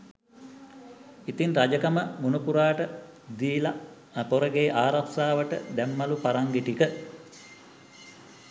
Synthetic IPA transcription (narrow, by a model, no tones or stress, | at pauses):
it̪inrad͡ʒəkaməmunupuɾaːʈə | d̪iːla | poɾəɡeːʔaːɾaksaːʋəʈə̰d̪ɛmːalupaɾaŋɡeʈikə